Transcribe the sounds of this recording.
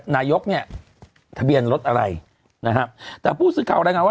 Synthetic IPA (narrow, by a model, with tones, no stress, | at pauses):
naː˧jo˦˥k̚ni˥˩ɐ | t̪ʰa˧bi˧ənɾo˦˥t̪̚ʔa˧ɾa˧j | na˦˥kɾa˦˥p̚t̪ɛː˨˩pʰuː˥˩sɯː˨˦˥kʰaː˨˩wɾɛː˧ŋaː˧nwaː˥˧